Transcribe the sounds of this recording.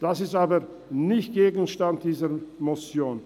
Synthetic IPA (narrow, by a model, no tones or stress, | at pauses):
d̥asɪstaːbə | nɪçt̚ɡ̥eːɡn̩ʃtant̚d̥iːzəɾmot͡sjoːn